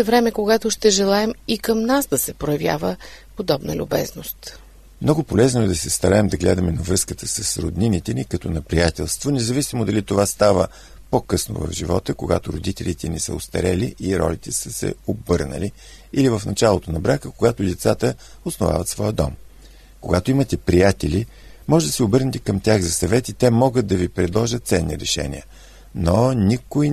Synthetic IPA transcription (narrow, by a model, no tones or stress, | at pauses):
ɛvɾɛmɛkoɡat̪ʊʃt̪ɛʒɛlˠaɛmikəmnasd̪ɐsɛpɾojɐvja̰vəpod̪ɔbnə̰lʲʊbɛ̰znost̪ | mnɔɡʊpolɛznoɛd̪ɐsɛst̪ɐɾaɛmd̪ɐɡlɛd̪əmɛnɐvɾɤskət̪əsəsɾod̪ninit̪ɛnikɐt̪ɔnɛpɾijat̪ɛlˠst̪vonɛzɐvisimod̪ɐlit̪ovast̪avə | pokɤsno̰və̰vʒivɔt̪əkoɡa̰t̪ʊɾod̪it̪ɛlit̪ɛnisə̰ost̪ɐ̰ɾɛliʔiɾɔ̰lit̪ɛsəsɛ̰obɤɾnə̰li | ilivəfnɐt͡ʃalˠot̪onɐbɾakəkoɡat̪od̪ɛt̪sat̪ə | osnova̰vət̪svɔjəd̪ɔ̰m | koɡat̪oimət̪ɛpɾijat̪ɛli | mɔʒɛd̪ɐsɛʊbɤɾnɛt̪ɛ̥kəmt̪ʲjaxzɐsɐvɛt̪it̪ɛmɔɡəd̪̚d̪ɐvipɾɛd̪lˠɔʒət̪t̪sɛnːḭɾɛʃɛ̰nḭə | nonʲikʊj